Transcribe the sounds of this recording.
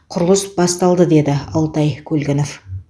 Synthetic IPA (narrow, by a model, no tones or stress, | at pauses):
qʰʊɾəlˠəsbɑst̪ɑlˠd̪əd̪e̞d̪ɪɑlˠt̪ɑjkʲʰɵlɡʲɪnof